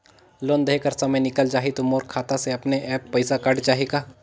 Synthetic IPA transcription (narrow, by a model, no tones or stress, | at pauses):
loːnd̪ʱekəɾsɐməjnɪkəld͡ʒaːɦit̪omoːɾkʰaːt̪aseɐpneʔɛːpːəjsakaːɾɖt͡ʃaːɦikaː